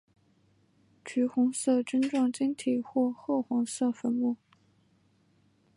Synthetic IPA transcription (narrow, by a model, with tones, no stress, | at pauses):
t͡ɕʰy˧˥xʊ˧˥ŋsɤ˥˩ʈ͡ʂə˥nʈ͡ʂwɑ˥˩ŋt͡ɕi˥ŋt̪ʰi˨˩xwɔ˥˧xɤ˥˩xʊ˧˥ŋsɤ˥˩fə˧˥nmu˥˩